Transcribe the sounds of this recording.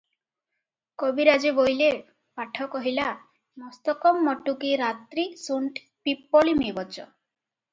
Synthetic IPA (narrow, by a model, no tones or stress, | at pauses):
kobiɾad͡ʒibojle | paʈʰɔkɔɦila | mɔst̪ɔkɔmːɔʈukiɾat̪ɾisuɳʈ | pipːɔɭimibɔt͡ʃɔ